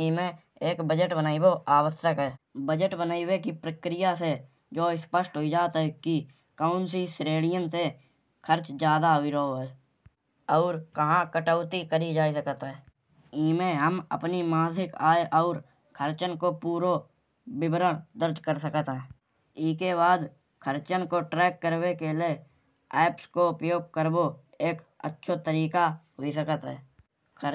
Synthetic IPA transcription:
iːmẽ | eːkbəd͡ʒəʈbənaːiboʔaːwəsəkɦɛːbəd͡ʒəʈbənaːiwekipɾəkɾɪjase | d͡ʒoːɪspəʃʈɦoid͡ʒaːt̪ɦɛki | kəːʊnsisɾeːlɪjənse | kʰəɾt͡ʃd͡ʒjaːd̪aɦoiɾəɦoɦɛː | ɔːɾkəɦãkəʈəʊt̪ikəɾid͡ʒaːisəkət̪ɦɛː | iːmẽɦəmə̰pnimãːsɪkaːeʔɔːɾ | kʰəɾt͡ʃənkopuːɾo | bɪbəɾəɽ̃d̪əɾd͡ʒkəɾsəkət̪ɦɛ̃ː | ɪskebaːd̪ | kʰəɾt͡ʃənkoʈɾɛːkːəɾwekele | ɛːpskoʊpəjoːɡ̚kəɾbo | eːkə̰tːʃʰot̪əɾiːkaɦois̬əkət̪ɦɛː | kʰə

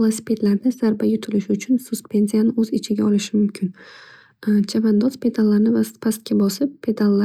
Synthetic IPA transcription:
lˠasɪ̥pʰʲe̞t̪laɾnɪz̥aɾbajʊt̪ʰɪlɪʃɪʊt͡ʃʰʊnsʊspʰe̞nsijanɪɵzɪt͡ʃʰɪɡʲaɒlɪʃɪmʊmkʲʰɪn | t͡ʃʰavand̪ɒspʰe̞d̪alˠːaɾnɪvaspʰast̪̚kʲabɒsɪpʰːe̞d̪alˠːa

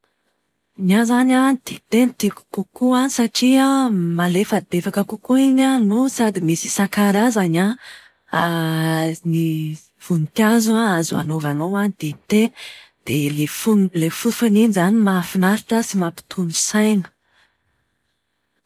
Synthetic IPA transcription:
nazananid̪̥it̪enit̪iku̥kukuanisaʈ͡ʂiamalefəd̪efakəkukuiɲanusad̪imisi̥sakaɾazaɲa | a | ni | v̥unit̪iazuaazua̰novanowanid̪̥et̪ed̪̥elefunlefufuninzanimafinaɾiʈ͡ʂəsimapi̥t̪ʰulusajnə̥

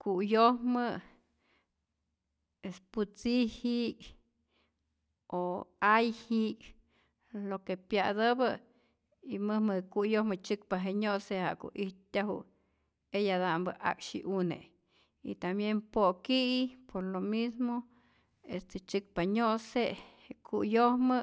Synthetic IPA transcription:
kuʔjohmɨ | esput͡sihik | oajhik | lokepjad̪ɨbɨ | imɨhmɨhkujohmɨt͡ʃɨkpaɦeɲoʔseha̰ko̰ʔiht̪t̪ʲaɦṵ | ejad̪ambɨʔa̰kʃḭʔunḛ | ḭt̪ambjempokiipoɾlomismo | est̪et͡ʃɨk̚paɲoʔse | kʰujohmɨ

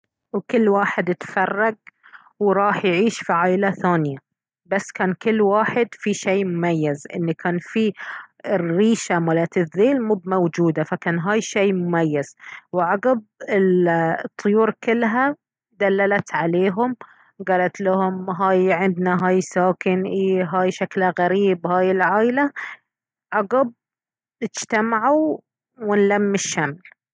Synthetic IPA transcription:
wkɪlːwaːħɪd̪ɪt̪fɑrˤːɑɡ̚ | wɾˤɑːħjʕiːʃfiʕaːʔlaθaːnɪja | basːkaːnkɪlːwaːħɪd̪fiʃeːmʊmajːazʔɪ̰nːikʰaːnfi | riːʃamalat̪ɪðːeːlmuːbmawd͡ʒuːd̪afakaːnɦaːjʃeːmʊmajːaz̥wʕaɡab̚ɪlt̪ˤːʊjuːɾkɪlːɦa | d̪alːalat̪ʕaleːɦʊm | ɡɑːlat̪lahʊmɦaːjʕɪnd̪naɦaːjsaːkɪnʔiːɦaːjʃaklɣaɾiːbhaːjɪlʕaːjla | ʕaɡab̚ | nɪd͡ʒt̪amaʕu | wɪnlamːɪʃːaml

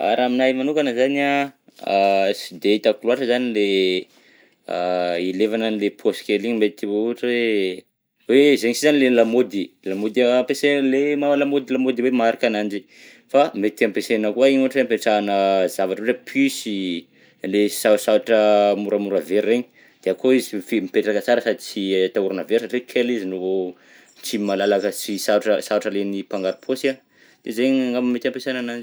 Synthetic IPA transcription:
a̰ɾaminajmanukanəzania | sid̪eit̪akuluaʈ͡ʂəzanile | ilevananilepʰoskeliŋimet̪t̪iwouɦaʈ͡ʂe | wezeɲisizanilelamod̪ilamod̪ampesenlemawalamod̪ilamod̪iwemaɾikanand͡ʒi | famet̪t̪ampesenəkuaiɲuaʈ͡ʂweampeʈ͡ʂaːnəzavaʈ͡ʂəwʈ͡ʂepʰisi | lesasaaʈ͡ʂəmuɾəmuɾəveɾːeɲi̥ | d̪̥eakoizifemipeʈ͡ʂakət͡saɾəsad̪it͡sit̪auɾanəveɾsaʈ͡ʂekʰelizino | t͡ʃimalalakəsisaʈ͡ʂəsaaʈ͡ʂəlenipaŋɡaɾupʰosa | d̪̥ezeɲaŋɡammet̪ãmpesenanand͡ʒ

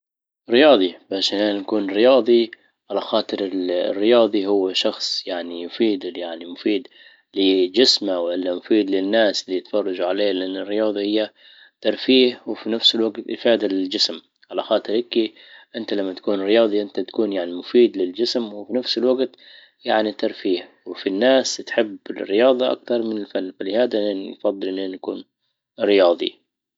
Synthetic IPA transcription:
ɾɪjɑːðˤibaːʃɪnʔaːnakuːnɾɪjɑːðˤi | ʕalaxɑːt̪ˤɨɾɪlrːɪjɑːðˤiɦʊwːaʃɑxsˤjaʕnijʊfiːd̪jaʕnimʊfiːd̪ | lɪd͡ʒɪsmawʔɪlːamʊfiːd̪lɪnːaːslːijt̪fɑrˤːɑd͡ʒuʕaleːlɪʔanːɪrːɪjɑːðˤɑhɪjːa | t̪ɑɾˤfiːhwɪfinafsɪlwaɡt̪ʔɪfɑːd̪alɪld͡ʒɪsm | ʕalaxɑːt̪ˤɨɾʔɪki | ʔɪnt̪alamːat̪ḁkuːnɾɪjɑːðˤiʔɪnt̪at̪ḁkuːnjaʕnimʊfiːd̪lɪld͡ʒɪsmwɪfinafsɪlwaɡt̪ | jaʕnit̪ɑɾˤfiːhwɪfinːaːst̪ħɪbːɪrːɪjɑːðˤɑʔa̰kt̪ɑɾˤmɪnɪlfanːfalɪhaːd̪annfɑðˤːɨlʔɪnːʔɪnːakuːn | ɾɪjɑːd̪ˤḭ

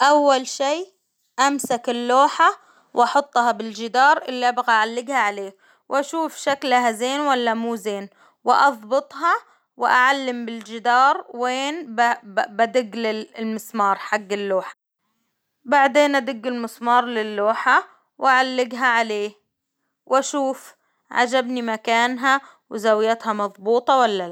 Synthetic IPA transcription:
ʔawːalʃiː | ʔamsakɪlːoːħa | wʔɑħʊt̪ˤːhɑbɪld͡ʒɪd̪ɑːɾˤʔɪlːiʔabɣaʔaʕalːɪɡhaʕaleː | wʔaʃuːfʃaklaɦazeːnwalːamuːzeːn | wɪʔɑðˤbɨt̪ˤɦɑ | wɪʔa̰ʕalːɪmbɪld͡ʒɪd̪ɑːɾˤweːnbbad̪ɪɡːlɪlmɪsmɑːɾˤħaɡːɪlːoːħḁ | baʕd̪eːnʔad̪ɪɡːɪlmɪsmɑːɾˤlɪlːoːħa | wʔaʕalːɪɡɦaʕaleː | wʔaʃuːf | ʕa̰d͡ʒabnimakaːnɦa | wɪzawjat̪hamɑðˤbuːt̪ˤɑwalːala

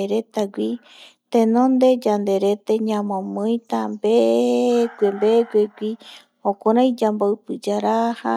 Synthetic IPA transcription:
eɾet̪aɡʷi | t̪ẽnõnd̪e̞d͡ʒand̪e̞ɾe̞t̪eɲãmõmɨ̃j̃t̪ambe | ɡʷembeɡʷeɡʷi | hõkoɾãj̃d͡ʒambowpɨd͡ʒaɾaha

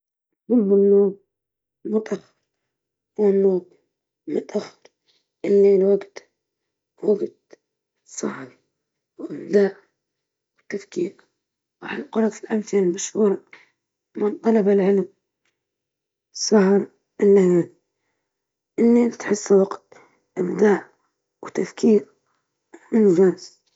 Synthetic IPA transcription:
bʊlbɪnːoːb | mʊt̪ˤɑɾ | ɾ | wɪnːoːb | mɪt̪ʔaxɾ | ʔɪlːiːlwaɡt̪ | waɡt̪̚ | sˤɑ̰ħɾˤ | wʔɪbd̪aːʔ | wɪt̪ːafkiːq | wʕalqʊɾˤɑfilʔamθɪlalmaʃhuːɾˤɑ | mɪnt̪ˤɑlɑbalʕɪlm | sˤɑhɾ | ʔɪlːajaːn | ʔɪnːit̪ħɪsːwaɡt̪̚ | ʔɪbd̪aːʔ | wt̪afkiːɾ | ɪnd͡ʒaːs

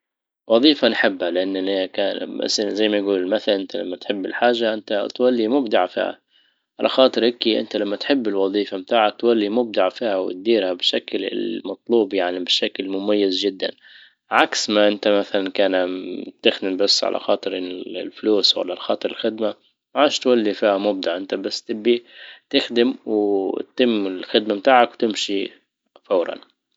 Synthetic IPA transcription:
wɑðˤiːfanħɪbːhalɪʔanːɪniakaːnba̰szajːmajɡuːlɪlmaθalaʔɪnt̪ala̰mːat̪ħɪbːɪ̰lħaːʒːaʔɪnt̪at̪walːimʊbd̪aʕfḭːha̰ | ʕalʔa̰xɑːt̪ˤɨɾhɪkiʔɪ̰nt̪alamːat̪ħɪbːɪlwɑðˤiːfamt̪aːʕak̚t̪walːimʊb̚d̪aʕfiːhawɪ̰t̪̚d̪iːɾhabʃaklɪ̰mɑt̪ˤluːbjaʕnibɪʃaklmʊmajːɪzd͡ʒɪd̪ːa̰n | ʕaksmaʔɪnt̪amaθalankaːnt̪ɪxd̪ɪmbasːʕa̰lʔa̰xɑ̰ːt̪ˤɨɾɪlfluːswa̰lːalxɑːt̪ˤɨɾɪlxɪd̪ma | mʕaːʃt̪walːifiːhamʊb̚d̪aʕʔɪnt̪abasːt̪ɪbːit̪ɪxd̪ɪmw̪t̪ɪmːɪlxɪd̪mamt̪aːʕakwt̪ɪmʃi | fawɾˤɑ̰n

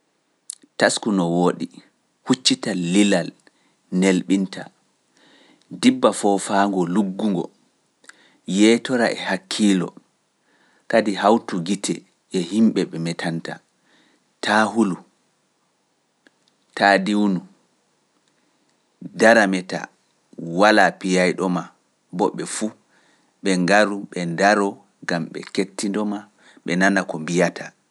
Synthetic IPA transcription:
taskunɔwoːɗi | hut͡ʃːitaːilal | nelɓintʰa | dibːafɔfaːŋɡɔluɡːuŋɡɔ̰ | jɛtɔɾa̰ʔɛ̰hakʰːiːlɔ̰ | kadihawtuɡitɛ | ʔɛhimɓɛɓɛmɛtʰanta | tʰaːhulu | taːdiwnu | daɾamɛta̰ | walapijajɗɔma | bɔɓːɛfu | ɓɛŋɡaɾuɓɛndaɾɔ | ɡamɓɛ̰ketːindɔma | ɓɛnanakɔmbijatʰa

